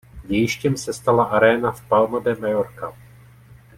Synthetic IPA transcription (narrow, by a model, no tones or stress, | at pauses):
ɟɛjɪʃcɛmsɛst̪alaʔaɾɛːnafpalmodɛmajoɾka